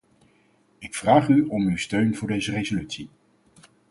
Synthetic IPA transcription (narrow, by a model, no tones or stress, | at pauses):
ɪkfraːχyɔmywstøɥnvʊːɹdejzərejzolytsi